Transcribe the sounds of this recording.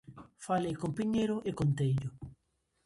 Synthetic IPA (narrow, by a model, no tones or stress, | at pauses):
falejkompiɲejɾʊʔekont̪ejʎʊ